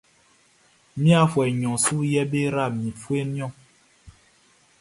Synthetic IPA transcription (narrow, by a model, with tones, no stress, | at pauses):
mĩ˦a˦fwɛ˨ɲɔ̃˨su˦jɛ˦be˦ɾa˦˨mĩ˨fu˦e˦mĩ˦ɔ̃˦˨